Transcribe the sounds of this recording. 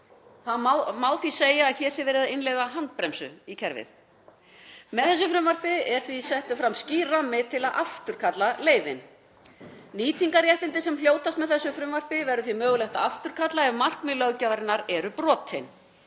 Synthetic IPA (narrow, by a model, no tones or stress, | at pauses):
θaðmawmawθviseːjaːðçɛːɾ̥θɪvɛːɾɪðaɪnlejðaɦant̪̚pɾɛmsʏ̰icʰɛɾvɪ̰θ | mɛðθɛs̬ːʏfɾʏmvar̥pɪɛɾ̥θvisɛht̪ʏfɾamsciːramːɪt̪ʰɪlaðʔaft̪ʏɾ̥kʰat̪laleːjvɪ̰n | niːt̪iŋkaɾjɛht̪ɪnt̪ɪsɛmljoːwt̪ast̪mɛðθɛsːʏfɾʏmvar̥pɪvɛɾʏθvimœːɣʏlɛht̪aaft̪ʏɾ̥kʰat̪laɛvmar̥kmɪlœɣcavɾɪnaɾɛɾʏpɾɔːt̪ʰɪn